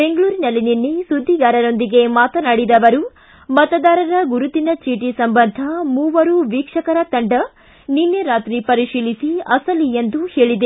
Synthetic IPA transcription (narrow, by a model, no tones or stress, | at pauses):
be̞ŋɡɐɭuːɾinɐlːininːesud̪ʱːiɡaːɾɐɾo̞nd̪iɡe̞maːt̪ɐnaːɽid̪ɐʋɐɾu | mɐt̪ɐd̪aːɾɐɾɐɡuɾut̪inɐt͡ʃiːʈisɐmbɐnd̪ʱɐmuːʋɐɾuʋiːkʂɐkɐɾɐt̪ɐɳɖɐ | ninːeɾaːt̪ɾipɐɾiʃiːlisiɐsɐliend̪uhe̞ːɭid̪e